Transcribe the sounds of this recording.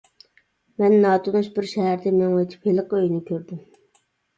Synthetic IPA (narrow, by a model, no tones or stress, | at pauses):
mɛnːɑːt̪onuʃbɪɾʃɛɦæɾd̪ɛmeŋwet͡ʃ̪ʰi̥phelˠɨqəøjnɪkʲʰøɾd̪ɪm